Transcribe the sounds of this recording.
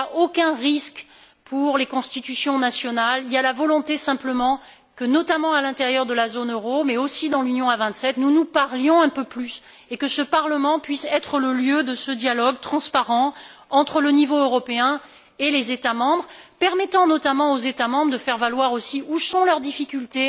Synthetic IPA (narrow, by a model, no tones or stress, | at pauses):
aokʲɛ̃ʁisk | pʰuʁlekɔ̃st̪it̪ysjɔ̃nasjɔnalialavɔlɔ̃t̪esɛ̃pləmɑ̃ | kənɔt̪amɑ̃alɛ̃t̪eʁjœʁd̪əlazonøʁomɛosid̪ɑ̃lynjɔ̃avɛ̃t̪sɛt̪nunupaʁljɔ̃ɛ̃pøplys | ekəsəpaʁləmɑ̃pɥisɛt̪χələljød̪əsəd̪jalɔɡt̪χɑ̃spaʁɑ̃ɑ̃t̪χələnivoøʁɔpeɛ̃ | elezet̪amɑ̃bʁ | pɛʁmɛt̪ɑ̃nɔt̪amɑ̃ozet̪amɑ̃bʁd̪əfɛʁvalwaʁosiusɔ̃lœʁd̪ifikʲylt̪e